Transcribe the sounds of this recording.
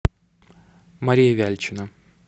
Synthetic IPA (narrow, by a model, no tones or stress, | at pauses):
mɐɾʲijəvʲælʲt͡ɕɪnə